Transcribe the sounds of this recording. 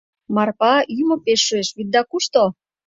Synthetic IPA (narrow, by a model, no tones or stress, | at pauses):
mɑrpɑymopeʃːueʃβid̪̚d̪ɑkuʃt̪o